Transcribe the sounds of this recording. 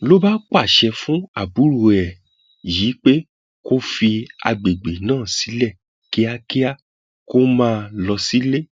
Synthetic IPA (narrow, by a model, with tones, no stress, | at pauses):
lo˦ba˦k͡pa˦˨ʃɛ˧fũ˦a˦˨bu˨˦ɾo˨˧ɛ˨ | ji˨˦k͡pe˦ | ko˦fi˧a̰˧ɡ͡be˨ɡ͡be˨nãː˦˨si˨˦lɛ˦˨ | ki˦a˧ki˦a˦ | ko˦mãː˦˧lɔ˧si˦le˦